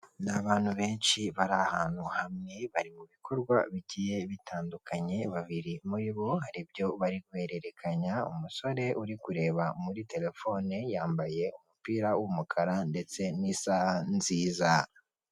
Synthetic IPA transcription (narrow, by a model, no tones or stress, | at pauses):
naβaːnhuβe̞ːnʃiβaɾahaːn̥huhamŋe̞βaɾimuβikʰo̞ɾɡwa̰βicije̞βitʰaːndukʰaɲe̞βaβiɾimuɾiβo̞haɾibjo̞βaɾiɡwe̞ːɾe̞ɾe̞kʰaɲaṵmuso̞ɾe̞ʔuɾikuɾe̞ːβamuɾite̞le̞fo̞nejaːmbaje̞umupiːɾawumukʰaɾande̞t͡se̞nisanziːza